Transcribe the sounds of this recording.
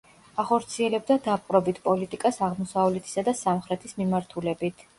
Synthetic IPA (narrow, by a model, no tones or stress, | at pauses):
aχɔɾt̪sʰiɛlɛbd̪ad̪apʼqʼɾɔbit̪ʰpʼɔlit̪ʼikʼasaʁmɔsavlɛt̪ʰi̥sad̪asamχɾɛt̪ʰismimaɾt̪ʰulɛbit̪ʰ